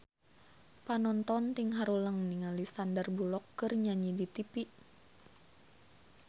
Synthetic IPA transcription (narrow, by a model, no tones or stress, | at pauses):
panɔnt̪ɔnt̪iŋɦaɾuləŋniŋalisandərbulɔkːɨrɲaɲidit̪ipiʔ